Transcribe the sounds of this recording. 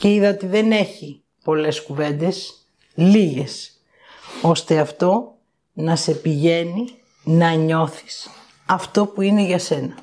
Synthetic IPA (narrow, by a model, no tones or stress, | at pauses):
ceiðɐot̪iðe̞ne̞çi | po̞le̞skuve̞nd̪e̞s | liʝe̞s | o̞st̪e̞ɐft̪o̞ | nɐse̞piʝe̞ni | nɐɲo̞θi̥s | ɐft̪o̞puine̞ʝɐse̞nɐ